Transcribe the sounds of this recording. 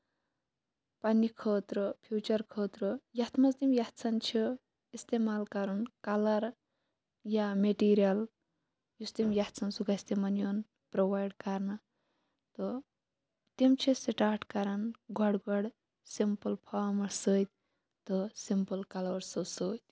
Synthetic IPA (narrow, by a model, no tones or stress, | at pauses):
pɐnikʰoːt̪ɾɔpʰjuːt͡ʃɐɾkʰoːt̪ɾojɐt̪ʰmɐst̪imjɐt̪sʰɐnt͡ʃʰi | ist̪emaːlkɐɾɐnkɐlɐɾ | jameʈiːɾijɐl | just̪imjɐt̪sʰɐnsuɡaist̪emɐnjoːn | pɾoʋaːjɖkɐɾna | t̪ɔ | t̪imt͡ʃʰisiʈaːɾʈkɐɾɐnɡʱɔɽɡɔɽ | simpəlpʰaːɾmɐɾsəːt̪̚ʲ | t̪ɔsimpəlkɐlɐɾsosəːt̪ʲ